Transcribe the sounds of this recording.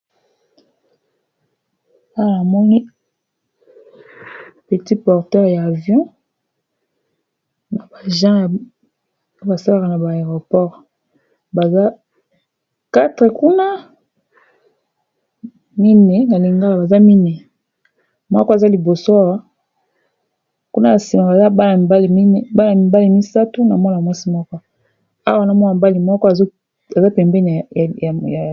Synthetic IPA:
a˦˨na˨mɔ˦ŋi˦ | pə˨ti˦pɔ˨ʁtɛ˦ʁjaː˨vjɔ̃˦ | na˨ba˨ʒã˦j | ba˨sa˦la˦ka˨na˨ba˨e˨ʁo˨pɔ˦ʁ | ba˨za˦ | ka˦tʁɛ˨ku˦na˦ | mi˦nɛ˨na˨li˨ŋɡa˦la˨ba˨za˦mi˦nɛ˨ | mɔ̰˦kɔ˦a˨za˦li˨bo˨so˦a˦wa˦ | ku˦na˦a˨si˨ma˨ba˨za˦ba˦la˨ba˦li˨mi˦n˦ba˦la˨mi˨ba˦li˨mi˦sa˦tu˦na˨mɔ˦n˨mwa˦si˦mɔ˦kɔ˦ | a̰˦wa˦˨na˨mɔ˦na˨mba˦li˨mɔ˦kɔ˦a˨zo˦ | a˨za˦pɛ˨mbɛ˦n˨jja˨

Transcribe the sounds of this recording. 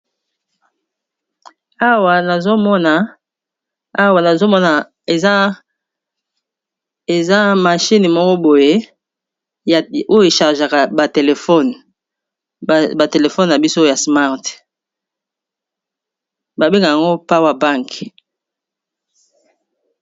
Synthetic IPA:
a˦wa˨na˨zo˦mɔ˦na˨ | a˦wa˨na˨zo˦mɔ˦na˨ | e˨za˦ | e˨za˦ma˨ʃi˦n˨mɔ˦kɔ˦bo˨je˦ | ja˨o˦jo˦e˨ʃa˨ʁʒa˨ka˨ba˨te˨le˨fɔ˦˨n˨ | ba˨te˨le˨fɔ˦n˨na˨bi˦so˦ja˨sma˦˨ʁt | ba˨be˦ŋɡa˨ja˨ŋɡo˦pa˦wa˦˨ba˦ŋk

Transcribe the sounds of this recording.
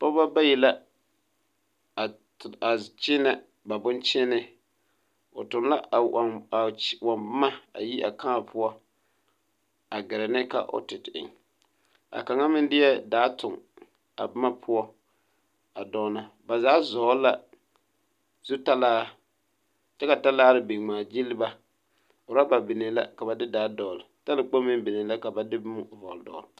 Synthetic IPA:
pɔ˦ba˦ba˦jɛ˨la˦˨ | a˨t͡ʃɪ˦na˦ | ba˨bʊ˦nt͡ʃɪ˦nɪ˦ | o˨tʊ˨mla˦˨ | wa˨mbma˦a̰˨ji˦ʔa̰˨ka˦˨pʰʊ˦ɔ˦ | a˨ɡɪ˨ɾɪ˨nɪ˦ka̰˦ʔo̰˦tɪ˨tɪ̰˨ŋ | a̰˨ka˨ŋa˦mɪ˦n˦dɪ˦ɛ˦daː˨˦tʊ˨ŋ | a̰˨bɪ˦ma˦pʰʊ˦ɔ˦ | a˨dɔː˦na˨ba˨zaː˨˦zɔː˨˦la˦ | z̥u˦ta˦laː˦ | t͡ʃɛ˦ka˨ta˦laː˦ɾɪ˦bi˨ŋ͡maː˨d͡ʒi˦lɪ˦ba˦ | ʊ˨ɾa˦ba˨bɪ˨ne˨la̰˦ka˨ba˨dɪ˦daː˨˦dɔː˨lɪ˨ta˦lɪ˦ɡ͡bo˦mː˦ɪ˦mbɪ˨ne˨la˦ka˨ba˨dɪ˦bmʊ˦˨vɔ˨ldɔ̰ː˨l

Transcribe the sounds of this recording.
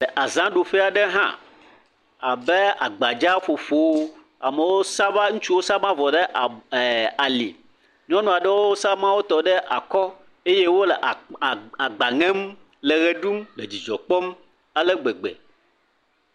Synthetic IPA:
lɛ˨ʔa˨zã˦ɖo˨ɸɛ˦a˨ɖɛ˦ɦã̰˦ | a˨bɛ˦a̰˨ɡ͡ba˨d͡ʒa˦ɸo˨ɸo˦w | a˨mɛ˨wo˦sa˦va˦ŋũ˦t͡ʃu˦wo˦sa˦mã˦vɔ˨ɖɛ˦ʔa˨lḭ˨ | ɲɔ̃˦nũ˨a˨ɖɛ˦wo˦o˦sa˦mã˦wo˦t̪ɔ˨ɖɛ˦ʔa˨kɔ˦ | e˦je˦wo˦lɛ˨ʔa˨ɡ͡ba˨ŋɛ̃˦m | le˨ɣe˨ɖu˦mle˨d͡ʑi˨d͡ʒɔ˨k͡pɔ˦m | a˨lɛ˦ɡ͡be˨ɡ͡bḛ˨

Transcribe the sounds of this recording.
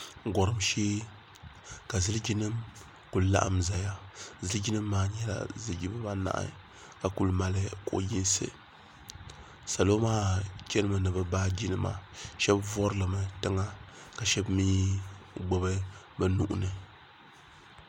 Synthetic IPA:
ŋ̩˨ɡɔ˨ɾɨ˨mʃeː˦ | ka˨zɨ˦ld͡ʒi˦nɨ˦m | ku˨lla̰˦ʔa̰˨mza˨ja˦zɨ˦ld͡ʒi˦nɨ˦mːaː˦ɲɛ˦la̰˨zɨ˨lɡi˦bɨ˦ba˦na̰˦ʔɨ̰˦ | ka˨ku˨lma˨lɨ˦ko˨ʔji˦n˦sɨ̰˨ | sa˨lo˦maː˦t͡ʃɛ˦nɨ˦mɨ˨nɨ˨bɨ˨baː˦d͡ʒi˦nɨ˦ma̰˨ʃɛ˦bvɔ˦ɾɨ˦lɨ˨mɨ˨tɨ˦ŋa˦ka˨ʃɛ˦bmiː˦ɡ͡bo˦bɨ˦ | bɛ˦nu˦ʔʊ̰˦nɨ˨

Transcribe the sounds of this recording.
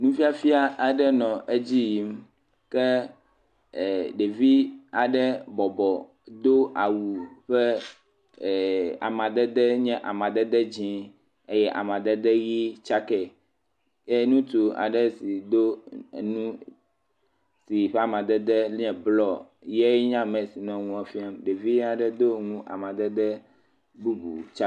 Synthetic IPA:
nũ˦fi˦a˦fi˦a˦a˨ɖɛ˦nɔ̃˨ʔe˦d͡ʑi˦ji˨˦m | kɛ˦˨ | ɖe˨vi˦a˨ɖɛ˦bɔ˨bɔ˨ | d̪o˦ʔa˨wu˨ɸɛ˦˨ | a̰˨mã˨d̪ɛ˦d̪ɛ˦ɲɛ̃˦ʔa˨mã˨d̪ɛ˦d̪ɛ˦d͡ʑĩ˨˦ | e˦jɛ˦ʔa̰˨mã˨d̪ɛ˦d̪ɛ˦ɣi˦t͡ʃa˦kɛ˨ | e˦nũ˦t̪u˨a̰˨ɖɛ˦si˨d̪o˦˨nũ˦ | si˨ɸɛ˦a˨mã˨d̪ɛ˦d̪ɛ˦lɛ̃˨blɔ˦ | je˦ɲã˦mɛ̃˨si˨nɔ̃˦ŋũ˦a˦fi˦a˦mɖe˨vi˦ja˨ɖɛ˦d̪o˦ŋũ˦ʔa̰˨mã˨d̪ɛ˦d̪ɛ˦ | bu˦bṵ˨t͡ʃa˦

